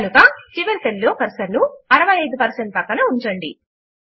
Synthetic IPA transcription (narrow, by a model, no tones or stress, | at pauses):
nukɐt͡ʃiʋɐɾt̪elːoːkɐɾsɐɾnuɐɾɐʋɐjɐjd̪upɐɾseɳʈ̚pɐkːɐnɐuɲt͡ʃɐɳɖḭ